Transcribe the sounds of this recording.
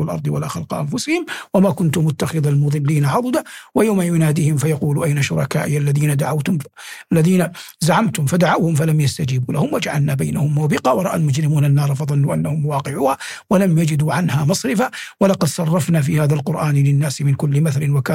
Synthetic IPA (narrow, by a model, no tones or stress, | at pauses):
alʔɑ̰ɾˤd̪ˤɨwalaːxɑlqɑʔamfʊsɪhɪmwamaːkʊnt̪ʊmʊt̪ːaxɪðalmʊðˤɨlːiːnaʕɑd̪ˤɨd̪awajawmajʊnaːd̪iːhɪmfajɑquːluʔajnaʃʊ̰ɾˤɑ̰ka̰ːʔɪjalːaðiːnad̪aʕawt̪ʊmlːaðiːna | zaʕamt̪ʊmfad̪aʕawhʊmfalamjast̪ad͡ʒiːbuːlahʊmwad͡ʒaʕalnaːbajnahʊmːwbɪqɑːwɑɾˤɑʔa̰lmʊd͡ʒɾɪmuːnanːɑːɾˤɑfɑðˤɑnːuːʔanːahʊmwɑːqɪʕuːha | walamjad͡ʒɪd̪uʕanhaːmɑsˤɾɪfawalɑqɑd̪sˤɑrˤːɑfnaːfiːhaːðalqʊɾʔaːnɪlɪnːaːsɪmɪnkʊlːɪmaθalɪnwakaː